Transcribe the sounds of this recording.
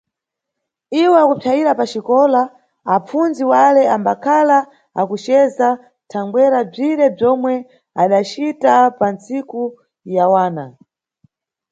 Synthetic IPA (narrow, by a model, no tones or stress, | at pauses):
iwɛakupʰajiɾapat͡ʃikɔla | ap͡funziwalɛambakʰala | akut͡ʃɛza | tʰaŋɡwɛɾab͡ʐiɾɛb͡ʐɔmwɛ | aɗat͡ʃitapant͡siku | jawaːna